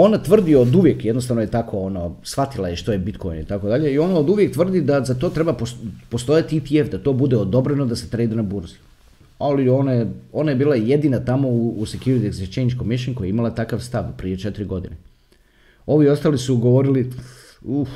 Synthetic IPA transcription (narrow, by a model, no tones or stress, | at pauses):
o̞nat̪ʋr̩d̪iod̪uʋje̞kjed̪nost̪aʋnojet̪akʰo̞ono̞sʋat̪ilajeʃt̪ojebit̪ko̞jnit̪ako̞d̪aʎe̞io̞naod̪uʋje̞k̚t̪ʋr̩d̪id̪azat̪o̞ːt̪ɾebapopost̪o̞jat̪iit̪iefd̪at̪o̞ːbud̪eod̪o̞bɾeno̞d̪aset̪ɾejd̪anabuɾzi | alio̞najeo̞naje̞biːlˠaje̞d̪inat̪amo̞uːsekjuɾit̪iekzet͡ʃejnd͡ʒkomiʃiɲkojeimalˠat̪akaʋst̪aʋpɾije̞t͡ʃet̪iɾiɡo̞d̪ine | o̞ʋiost̪alisuɡo̞ʋo̞ɾili | u